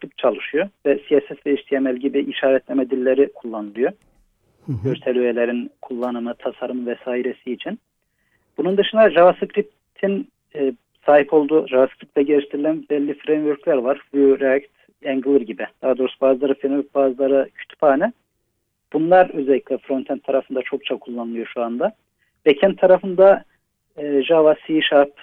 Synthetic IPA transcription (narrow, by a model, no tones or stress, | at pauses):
kɾip̚t̪̚t͡ʃʰalˠɯʃujovɛsijasɛt̪veiʃt̪ʰijemɛlʲɟibiʔiʃaːɾɛt̪ʰlʲemɛd̪ilʲːeɾikʰulˠːanɯlˠɯjo | ɟøɾt̪ʰɛlʲyvelʲeɾinkʰulˠːanɯmɯt̪ʰasaɾɯmvɛsaːiɾesiːt͡ʃʰin | b̥unund̪ɯʃɯnd̪aʒavaskɾip̚ | t̪ʰinː | saːɦipʰo̞lˠd̪uʒavaskʰɾip̚t̪lʲɛɟeɾiʃt̪ʰiɾilʲænbɛlʲːifɾejmvøɾclʲæɾvaɾvɾakt̪ | ɛŋɡɯlˠɯɾɟibid̪̥aɦad̪o̞ːɾusubaːzlˠaɾɯfɾemvøɾ̚baːzɯlˠaɾɯcʰy̥t̪ʰy̥phaːnɛ | b̥unlˠaɾøzelʲːicʲlʲɛfɾo̞nt̪ʰɛnt̪ʰːaɾafɯnd̪at͡ʃʰo̞k̚t͡ʃʰakʰulˠːanɯlˠɯjo̞ʃuand̪a | b̥ɛcʰɛnt̪ʰːaɾafɯnd̪aː | ʒavasiʃaɾp